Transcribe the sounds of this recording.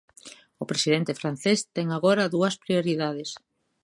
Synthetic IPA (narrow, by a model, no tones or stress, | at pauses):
ʊpɾesiðent̪ɪfɾan̟θest̪ɛŋaɣoɾɐðuɐspɾioɾiðað̞es